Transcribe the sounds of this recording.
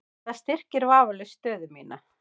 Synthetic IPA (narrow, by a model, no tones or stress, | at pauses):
θaðst̪ɪr̥cɪɾvaːvʏlʏst̪œːðʏmiːna